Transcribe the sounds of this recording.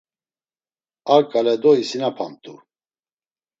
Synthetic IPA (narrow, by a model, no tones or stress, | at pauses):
aɾkʼalɛd̪ɔisinapʰamt̪ʼu